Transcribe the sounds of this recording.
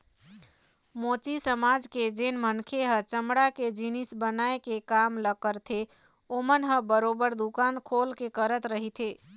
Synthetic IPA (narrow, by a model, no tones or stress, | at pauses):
mot͡ʃisəmad͡ʒked͡ʒenmənkʰeɦət͡ʃəmɽaked͡ʒinisbənaekekamləkəɾt̪ʰe | omənɦəbəɾobəɾd̪ukankʰolkekəɾət̪ɾəɦit̪ʰe